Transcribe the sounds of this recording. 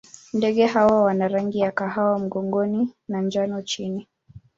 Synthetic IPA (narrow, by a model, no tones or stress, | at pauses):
ndɛɠɛɦawawanaɾaŋɡijakaɦawam̩ɠɔŋɡɔninand͡ʒanɔt͡ʃini